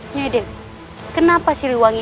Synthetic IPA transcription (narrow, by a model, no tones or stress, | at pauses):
ɲade | kənapasiliwaŋi